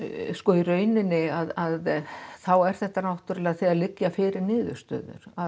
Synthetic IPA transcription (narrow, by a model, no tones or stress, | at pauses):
skɔirœːɥnɪnːɪaðaðθawɛɾ̥θɛht̪ːanawht̪ʏɾlɛːɣθɛðalɪcːjafɪːɾɪɾnɪːðʏ̰ɾ̥st̪œ̰ːðʏ̰ɾ̥að